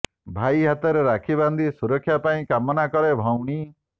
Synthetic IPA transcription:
bʱajɦat̪ɔɾeɾakʰiband̪ʱisuɾɔkʰːjapaĩkamɔnakɔɾebʱɔwɽ̃i

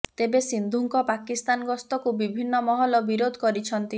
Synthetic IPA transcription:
t̪ebesind̪ʱuŋkɔpakist̪anɡɔst̪ɔkubibʱinːɔmɔɦɔlɔbiɾod̪ʱɔkɔɾit͡ʃʰɔnt̪i

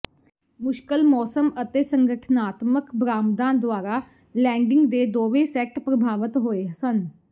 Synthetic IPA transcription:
mʊʃkəlmɔːsəmət̪eːsəŋɡəʈʰnaːt̪məkbɾaːmd̪ãːd̪ʊaːɾaː | lɛ̃ːɳɖɪ̃ŋɡd̪eːd̪oːʋẽːsɛːk̚ʈpɾəbʱaːʋət̪ɦoːeːsən

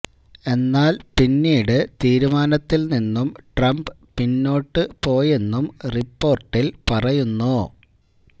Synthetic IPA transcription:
e̞nːaːlpinːiːɽɨt̪iːɾumaːnɐt̪ːilninːumʈrɐmbɨ | pinːo̞ːʈːɨpo̞ːje̞nːumripːo̞ːrʈːilpɐrɐjunːu

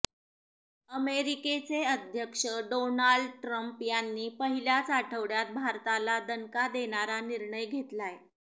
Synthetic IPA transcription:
əmeɾiket͡seəd̪ʱjəkʂəɖonaɭɖʈɾəmpjanːiːpəɦiljat͡saʈʰəʋɽjat̪̚bʱaɾt̪alad̪ənkad̪eɽ̃aɾaniɾɳəjɡʱet̪laje

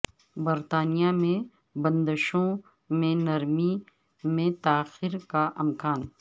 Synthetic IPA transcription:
bɐɾt̪aːnijamẽ | bɐ̃nd̪əʃõ | mẽnɐɾmi | mẽt̪aːxɪɾkaʔɪmkaːn

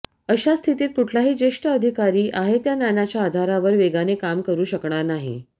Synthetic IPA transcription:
əɕast̪ʰit̪iːt̪̚kuʈʰlaɦiːd͡ʑeʂʈəəd̪ʱikaɾiːʔaɦet̪janjanat͡ɕjaːd̪ʱaɾaʋəɾʋeɡanekamkəɾuːɕəkɳaɾnaɦḭ

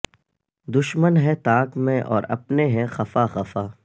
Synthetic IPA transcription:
d̪ʊʃmənɦɛt̪aːkmẽʔɔːɾɐ̰pneɦɛ̃xɐfaxɐfaː

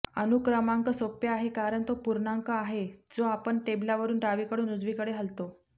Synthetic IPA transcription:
ənukɾamaŋkəsopjəaɦekaɾəɳt̪opuɾɳaŋkəaɦed͡zoapəɳʈeblaʋəɾuːnʈaʋiːkəɽuːnud͡zʋiːkəɽeɦəlt̪o

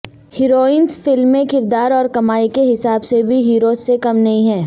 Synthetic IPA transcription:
hɪɾoːĩːnsfɪlmːẽkɪɾd̪aːɾɔːɾkɐmaːikeɦɪsaːbsebʱiɦiːɾoːzːekɐmnɐɦĩɦɛ̃ː

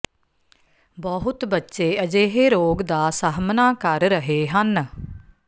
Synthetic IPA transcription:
bəɦʊt̪bətːʃeːəd͡ʒeːɦeːɾoːɡd̪aːsəɦmnaːkəɾɾəɦeːɦən

